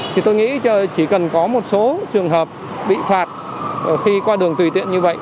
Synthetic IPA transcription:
t̪ʰi˨˩t̪o˧jŋḭ˧˥t͡ɕə˧t͡ɕi˧˩kə˨˩nkɔ˨˦mo˨˩t̚so˨˦t͡ɕɨ˨˩əŋɦəː˨˩p̚ | ɓḭ˧˨faː˨˩t̚ | xi˧kwaː˧ɗɨ˨˩əŋt̪wi˨˩t̪ḭ˧˨ənɲɨ˧və̰˧˨jʔ

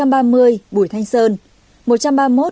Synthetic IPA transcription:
a˧mɓaː˧mɨ˧əjɓu˧˩˨jt̪ʰa˧jŋ̟səː˧n | mo˨˩t̚t͡ɕa˧mɓaː˧mo˦˥t̚

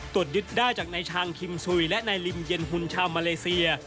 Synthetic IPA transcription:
t̪u˨˩ət̪̚jɯ˦˥t̪̚daː˥˩jt͡ɕaː˨˩k̚na˧jt͡ɕʰaː˧ŋkʰi˧msu˧jlɛ˦˥ʔnaː˧jli˧mje˧nɦu˧nt͡ɕʰaː˧wmaː˧leː˧si˧ɐ

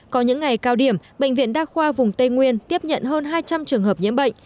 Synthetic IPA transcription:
kɔ˨˦ɲɨ̰˧˥ŋːa˨˩jkaː˧wɗi˧˩əmɓə̰˧˨ŋ̟vḭ˧˨ənɗaː˧xwaː˧vʊ˨˩ŋ͡mt̪e˧ŋwi˧ənt̪i˦˥əp̚ɲə̰˧˨nɦəː˧nɦaː˧jt͡ɕa˧mt͡ɕɨ˨˩əŋhəː˨˩p̚ɲḭ˧˥mɓə̰˧˨ŋ̟

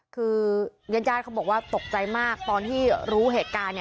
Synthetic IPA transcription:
kʰɯː˧ja˦˥njaː˥˩kʰa˦˥wbɔː˨˩k̚waː˥˩t̪o˨˩k̚t͡ɕa˧jmaː˥˩k̚t̪ɔː˧nt̪ʰiː˥˩ɾuː˦˥ɦeː˨˩t̪̚kaː˧nːi˩

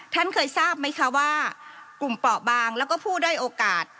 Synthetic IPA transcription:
t̪ʰa˥˩nkʰɤː˧jsaː˥˩p̚ma˥˩jkʰa˦˥waː˥˩ku˨˩mpɔː˨˩ʔ̚baː˧ŋlɛː˦˥wkɔː˥˩pʰuː˥˩daː˥˩jʔoː˧kaː˨˩t̪̚

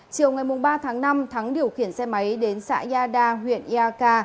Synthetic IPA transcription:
t͡ɕi˨əwŋa˨˩jmʊ˨˩ŋ͡mɓaː˧t̪ʰaː˨˦ŋna˧mt̪ʰa˨˦ŋɗi˨˩əwxi˧˩ənsɛ˧ma˨˦jɗe˨˦nsa̰ː˧˥zaː˧ɗaː˧ɦwḭ˧˨ənʔi˧aː˧kaː˧

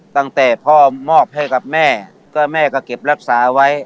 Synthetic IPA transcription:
t̪a˧˩ŋt̪ɛː˨˩pʰɔː˧˩mɔː˧˩p̚ha˧˥˩jka˨˩p̚mɛː˧˩ | kɔː˧˩mɛː˧˩kɔː˧˩ke˨˩p̚ɾa˧˩k̚saː˩˦˧wa˦˥j

